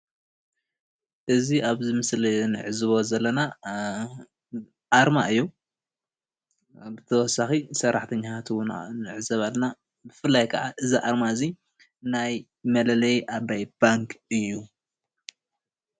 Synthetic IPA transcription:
ʔɨziʔaβzɨmɨslinɨʕɨzɨβo̞zɐlːɐna | ʔaɾmaʔɨjːu | bɨt̪ʰɐwɔsaxisɐɾʔaħt̪ʰɐɲːahat̪ʰwunnɨʕɨzɐβalna | bɨfɨlːajkʰɐʕaʔɨziʔaɾmaɨzi | naj | mɐlɐlɐjʔabajb̥aŋkʰɨjːu

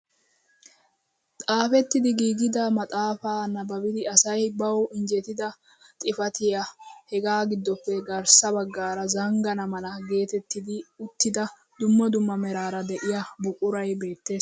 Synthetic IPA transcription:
t̪ʼaːfɛt̪ːɪd̪ɪɡiːɡɪd̪ɐmɐt̪ʼaːfaːnːɐbɐbɪd̪ɪɐsɐjbɐwɪnd͡ʒɛt̪ɪd̪ɐ | t̪ʼɪfɐt̪ɪjɐhɛɡaːɡɪd̪ːɔpːɛɡɐɾsɐbɐɡːaːɾɐzɐŋɡɐnɐmɐlɐɡe̞ːt̪ɛt̪ːɪd̪ɪʊt̪ːɪd̪ɐ | d̪ʊmːɔd̪ʊmːɐmɛɾaːɾɐd̪ɛʔɪjɐbʊkʼʊɾɐjbe̞ːt̪ːe̞ːs

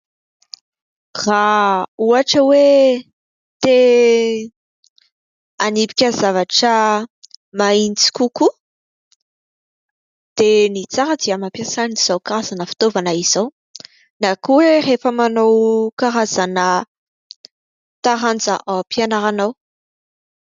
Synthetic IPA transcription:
rauaʈ͡ʂəwe | t̪e | anipi̥kʲəzavaʈ͡ʂə | maint͡si̥kuku | d̪̥enit͡saɾəd̪iamapjasaniz̥awkaɾazanəfi̥t̪ovanaiz̥aw | nakuwerefəmanowkaɾazanə | t̪aɾand͡zə̰ʔapianaɾanaw

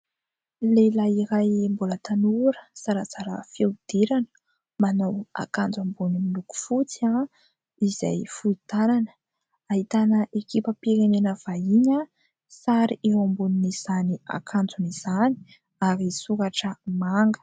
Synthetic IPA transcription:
lelaiɾajmbulət̪anuɾəsaɾat͡saɾa̰fjewd̪̥eɾanə̥ | manawa̰kand͡zambunimiluku̥fut͡sia | iza̰jfuit̪ananə̥ | aɦit̪anəʔekipəpiɾenenəv̥aiɲa | saɾiʔewambuniniz̥ania̰kʰand͡zuniz̥ani̥ | aɾisukaʈ͡ʂəmaŋɡə̥

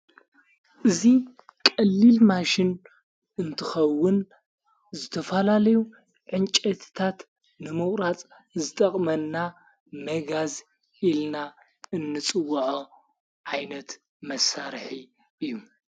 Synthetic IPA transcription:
ʔɨzi | kʼɐlːilmaʃɪn | ɨnt̪ʰɨxɐwːʊn | zɨt̪ʰɐfɐlalɐju | ʕɨnt͡ʃʼɐt̪ʰt̪ʰat̪ | nɨmɨχʼɾat͡sʼ | zɨt̪ʼɐχʼmɐnːa | mɐɡaz | ilna | ɨnːɨt͡sʼɨwːɐʕo | ʕajnɐt̪ | mɐsaɾħi | ɨjːu

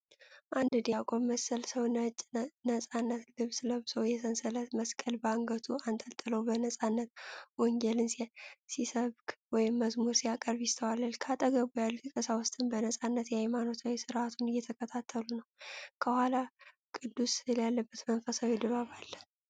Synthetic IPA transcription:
ʔand̪ɨd̪iakʼomməsəlsəwnət͡ʃʼnəsʼanːət̪lɨβsləβsowjɛsənsələt̪məskʼəlbəaŋɡət̪ʰuant̪ʰʼəlt̪ʼɨlowbənəsʼanːət̪wɔŋɡɛlɨnsisəβɡwɔjɪmːəzmuɾsijakʼəɾbjɪst̪ʰəwalːalkʰat̪ʼəɡəbujalːt̪ʰɨkʼəsawʊst̪ʰʼɨnbənəsʼanːət̪jɛhajmano̞t̪ʰawisɨɾʔat̪ʰunɨjːɛt̪ʰəkʰət̪ʰat̪ʰːəlunəwkʰəhʷala | kʼɨd̪ːusljalːəbːət̪mənfəsawid̪ɨβaβalː

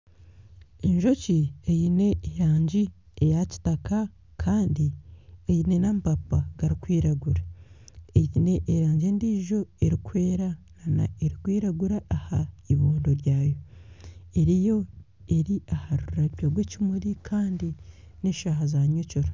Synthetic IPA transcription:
eɲʒo̞ciejine̞ːjaːɲɟiejaci̥taka | kʰaːndiejine̞nampapaɡaɾikwiːɾaɡuɾa | ejine̞ʔeɾaːɲɟeːndiːʒo̞eɾikwe̞ːɾanana̰eɾikwiːɾaɡuɾaːhaiβoːndo̞ɾjaːjo̞ | e̞ɾijo̞ | e̞ɾiahaɾuɾaβoɡwecimuɾikʰaːndi | neʃaɦazaɲocoɾo

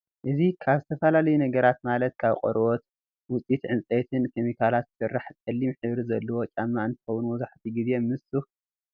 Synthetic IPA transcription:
ʔɨzikʰaβzɨt̪ʰɐfɐlalɐjunɐɡɐɾat̪malɐt̪̚kʰaβqʼɔ̰ɾot̪ | wʊt͡sʼit̪ʕɨnt͡sʼet̪ʰɨnkʰemikʰalat̪z̥sɨrːaħkʼɐlːimħɨβɾizɐlːɐwot͡ʃʼamːaɨnt̪ʰɨ̥xɐwunuwɔzaħt̪ʰiɡize̞mɨsu

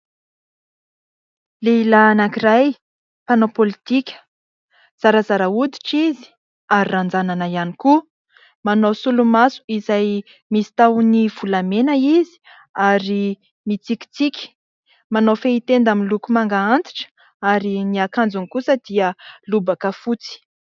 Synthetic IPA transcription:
leilaːnakiraj | panopolit̪ikʲə̥ | z̥aɾəzaɾaud̪i̥ʈ͡ʂizi̥ | aɾirand͡zananəianiku | manowsulumasu̥izaj | misi̥t̪awnivulamenəizi̥ | aɾi | mit͡siki̥t͡sikʲi̥ | manofeit̪end̪amilukumaŋɡaant͡s̪i̥ʈ͡ʂə̥ | aɾiniakand͡zunikusəd̪̥iəlubakəfut͡si̥

